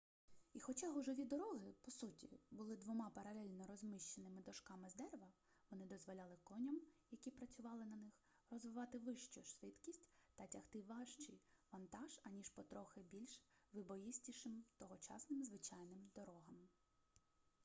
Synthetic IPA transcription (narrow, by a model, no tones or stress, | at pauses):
ixɔt͡ʃɑɦɔʒɔʋʲid̪ɔɾɔɦɪpɔsutʲḭbʊlˠɪd̪ʋɔmɑpɐɾɐlʲɛlʲnɔɾɔzmɪʃt͡ʃenɪmɪd̪ɔʃkɑmɪzd̪ɛrʋɐ | ʋɔnɪd̪ɔzʋɔlʲɑlˠɪkɔnʲɐmjɐkʲipɾɐt͡sʲʊʋɑlˠɪnɐnɪx | rɔzʋɪʋɑt̪ɪʋɪʃt͡ʃɔʃʋɪt̪kʲisʲtʲt̪ɐtʲɐht̪ɪʋɑʃt͡ʃijʋɐnt̪ɑʒɐnʲiʃpɔt̪ɾɔxɪbʲilʲʃʋɪbɔjisʲtʲiʃɪmt̪ɔɦɔt͡ʃɑ̰snɪmzʋɪt͡ʃɑjnɪmd̪ɔɾɔɦɐm